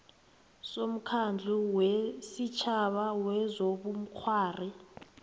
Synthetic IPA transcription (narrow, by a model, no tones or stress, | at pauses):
som̩kʰand͡ɮʱuwɛesit͡ʃʰaɓawɛzoɓum̩kʰwaːri